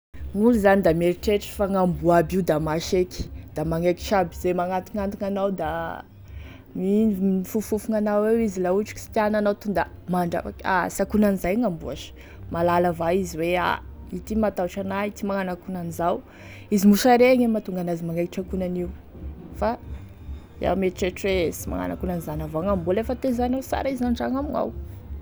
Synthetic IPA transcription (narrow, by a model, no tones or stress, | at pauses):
ŋuluzanid̪ameɾiʈ͡ʂeʈ͡ʂə̥faŋambuabiud̪amaʃeki̥d̪̥amaŋeki̥ʃabizemaŋant̪uŋant̪uŋanawd̪a | miifufufuŋanawwewizilauʈ͡ʂi̥ki̥si̥t̪iananawt̪und̪amaɳɖ͡ʐa̰faka̰sakunanizajŋambuaʃə̥ | malalavaiziwea̰it̪imat̪aʈ͡ʂanait̪imaŋanakunanizaw | izimuʃaɾeaŋemat̪uŋɡanazimaŋaiʈ͡ʂakunaniu | fa | a̰meʈ͡ʂeʈ͡ʂwesima̰ŋa̰na̰kunanizanavaŋambulefat̪ezanawsa̰ɾaizanʈ͡ʂaŋamiŋa̰w